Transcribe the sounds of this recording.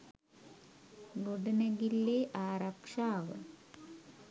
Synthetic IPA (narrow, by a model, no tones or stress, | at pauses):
ɡuɖinɐɣilːeʔaːrɐkʂaːʋɨ̰